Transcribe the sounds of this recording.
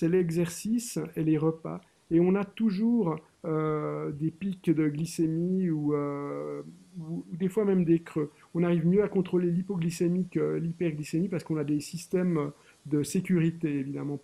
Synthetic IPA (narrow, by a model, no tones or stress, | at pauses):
sɛlɛɡzɛʁsiseleʁəpa̰ | eɔ̃nat̪uʒuːʁ | ød̪epikd̪əɡlisemiuø | uːd̪efwamɛmd̪ekχø | ɔ̃naʁivmjøakɔ̃t̪χolelipɔɡlisemikəlipɛʁɡlisemipaʁsə̥kɔ̃nad̪esist̪ɛmø | d̪əsekʲyʁit̪eevid̪a̰mɑ̃